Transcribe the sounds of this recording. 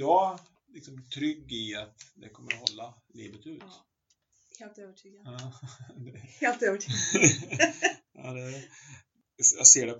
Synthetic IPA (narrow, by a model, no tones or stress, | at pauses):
jɑ | lɪksɔmt̪ʰɾʏɡːɪat̪d̪ɛkʰɔmːəɾhɔlːa | lḭːvət̪ʉ̟ːt̪ | heːlt̪øːvəʈʰyːɡa | d̪ɛeːlt̪øːvəʈʰyːɡ | ɑ̰ːd̪ɛ | aseːɖɛ